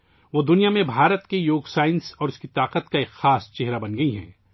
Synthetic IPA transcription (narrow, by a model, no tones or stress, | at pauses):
ʋoːd̪ʊnijamẽbʱaːɾət̪kejoːɡsaːɪnsɔːɾʊskit̪aːqət̪kaexaːst͡ʃeɦɾabɐnɡɐiɦɛ̰̃ː